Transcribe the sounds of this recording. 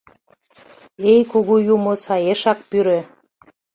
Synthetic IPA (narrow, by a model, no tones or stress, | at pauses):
ejkuɣujumosɑjeʃɑk̚pyɾø